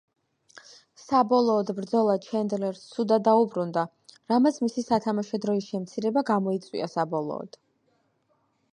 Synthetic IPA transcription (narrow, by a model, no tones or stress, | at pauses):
sabɔlˠɔːd̪bɾd̪zɔlˠat͡ʃʰɛnd̪lɛɾst̪sud̪ad̪aubɾund̪a | ɾamat̪sʰmisisat̪ʰamaʃɔd̪ɾɔisʃɛmt̪sʰiɾɛbaɡamɔit̪sʼwḭasabɔlˠɔ̰ːd̪̥